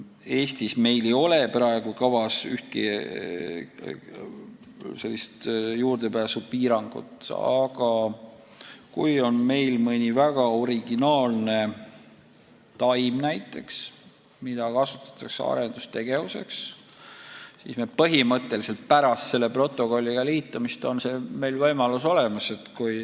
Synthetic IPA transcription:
e̞ːst̪isme̞jlejo̞le̞prɑeɡ̥ukɑvɑsyht̪̚kḭ | se̞lːist̪juːrd̪̥e̞pæːsupiːɾɑŋɡ̥ṵt̪ɑ̰ɡ̥ɑ | kujo̞nme̞jlmɤnʲivæɡ̥ɑoɾiɡ̥inɑːlne̞ | t̪ɑjmnæjt̪ːˑe̞ks | mid̪̥ɑkɑsut̪ːˑɑ̥t̪ːˑɑksḛɑ̰ɾe̞nd̪̥ust̪e̞ɡ̥e̞vuse̞̰ks | sḭːsmepɤɦimɤt̪ˑːe̞lise̞lt̪̚pæɾɑst̪se̞lːepro̞t̪ːˑo̞ko̞lʲːiɡ̥ɑliːt̪ːˑumist̪o̞nse̞ːme̞jlvɤjmɑluso̞le̞mɑse̞t̪kuj

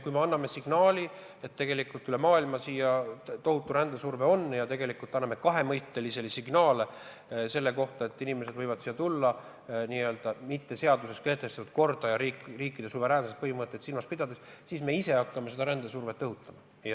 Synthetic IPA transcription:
kujme̞ɑnːɑme̞siɡ̥nɑːlʲi | et̪ːe̞ɡe̞likːˑult̪ːˑyle̞mɑːilmɑsijɑt̪o̞ɦut̪ːˑuɾænd̪esurve̞o̞nːjɑt̪e̞ɡe̞likult̪ːˑɑnːɑmekɑɦe̞mɤjt̪ˑːe̞lise̞lisiɡ̥nɑːle | se̞lːe̞ko̞ht̪ɑet̪ːˑinime̞se̞d̪vɤjvɑd̪̥siːjːɑt̪ulːɑ | niø̞ːld̪̥ɑmit̪ːe̞se̞ɑd̪use̞ske̞ht̪e̞st̪ɑt̪ud̪̚ko̞rd̪̥ɑjɑɾiːkriːkːˑid̪̥e̞suve̞ɾæːnset̪̚pɤɦimɤt̪ˑːet̪silmɑspid̪̥ɑd̪essiːsme̞ise̞ɑkːɑmese̞d̪ɑɾænd̪̥esurve̞t̪ːɤɦut̪ːˑɑmɑ

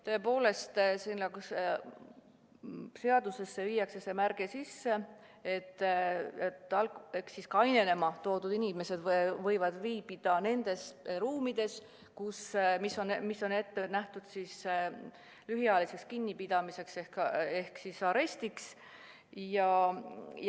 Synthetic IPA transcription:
t̪o̞epo̞ːle̞st̪senːeks | se̞ɑd̪̥use̞sːeviːjɑkse̞se̞mærɡ̥esisːe̞ | et̪ːet̪ːˑɑlehksiskɑjne̞ne̞mɑt̪o̞ːd̪̥ud̪̥inʲime̞se̞d̪vɤ̞jvɑd̪̥viːbid̪̥ɑne̞nd̪̥e̞sɾuːmid̪̥e̞s | kusmiso̞nmisːo̞ne̞t̪ːe̞næht̪ud̪̥sis | lyɦjɑlisekskinʲːipid̪̥ɑmise̞kse̞hke̞hksisɑɾe̞sʲt̪iks | jɑ

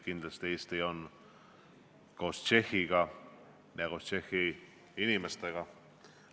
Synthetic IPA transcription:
kind̪ast̪eist̪ejon | kost͡ʃehiɡa | neɣost͡ʃexi | inimast̪eɡa

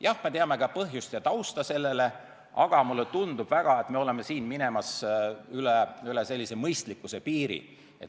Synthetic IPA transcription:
jɑhmet̪eɑme̞ɡ̥ɑpɤɦjust̪jɑt̪ɑwst̪ɑse̞lːe̞le̞ | ʔɑɡ̥ɑmulːet̪und̪ub̥væɡ̥ɑe̞t̪me̞o̞leme̞siːnmine̞mɑsyleylese̞lʲːise̞mɤjst̪likːˑuse̞piːɾḭ | et̪

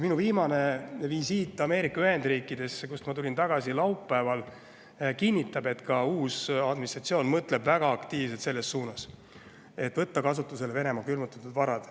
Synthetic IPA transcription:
minuviːmɑne̞visiːt̪ːˑɑme̞ːɾikːˑɑyhe̞nd̪riːkːˑid̪e̞skusmɑt̪ulʲint̪ɑɡ̥ɑsilɑwpːæevɑl | kinʲːit̪ːˑɑbe̞t̪kɑuːsɑd̪minist̪rɑt̪sio̞ːnmɤt̪ˑle̞bvæɡ̥ɑɑkt̪iːvs̬et̪se̞lːe̞sːuːnɑs | e̞t̪ːˑvɤt̪ːɑkɑsut̪ːˑuse̞leve̞ne̞mɑkylmut̪ːˑut̪ːˑud̪vɑɾɑd̪̥

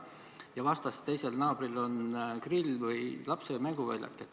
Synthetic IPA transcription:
jɑvɑst̪ɑst̪e̞jse̞lnɑːb̥rilo̞nkrilːvɤjlɑpsejmæŋɡ̥uvæ̰jlʲɑ̰t̪ːˑet̪

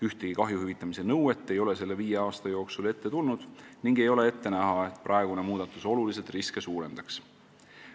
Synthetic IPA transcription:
yht̪eɡ̥ikɑɦjuhyvit̪ːˑɑmise̞nɤwe̞t̪ːe̞jo̞le̞se̞lːe̞viːjeɑːst̪ɑjo̞ːksule̞t̪ːet̪ulnud̪̥niŋɡe̞jo̞le̞e̞t̪ːe̞næɦɑe̞t̪ːˑprʔɑeɡ̥une̞muːd̪̥ɑt̪ːˑuso̞lulis̬et̪riske̞suːɾe̞nd̪ɑks

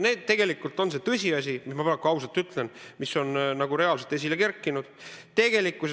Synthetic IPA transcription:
ne̞ːd̪t̪ːe̞ɡ̥e̞likːult̪ːˑo̞nse̞t̪ɤsʲiɑs̬ʲimismɑpɑɾɑkːuɑwsɑlt̪ːˑyt̪ˑle̞nmiso̞nnɑɡuɾe̞ɑlse̞lt̪es̬ʲile̞ke̞rkːˑinud̪̥t̪e̞ɡ̥e̞likːˑus

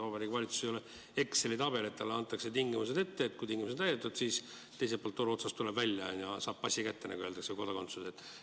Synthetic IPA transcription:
vɑbɑɾikuvɑlʲit̪su̥sejole | e̞kse̞lit̪ɑb̥e̞le̞t̪ːɑlːeɑnt̪ːˑɑkse̞t̪iŋɡimuse̞d̪e̞t̪ːe̞ːt̪̚kujt̪iŋɡ̥ʲimused̪æjd̪et̪ːˑud̪̥siːs | t̪e̞js̬epolt̪ːo̞ɾuo̞sɑst̪ulebvælʲjɑnjɑsɑːb̥̚pɑsʲikæt̪ːenæ̰ɡuø̞ːld̪ɑkseko̞d̪̥ɑko̞nt̪suset̪ːˑ

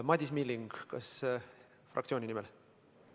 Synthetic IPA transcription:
mɑd̪ʲismilːiŋɡ̥kɑ̰s | frɑkt̪sioːnʲinimɛl

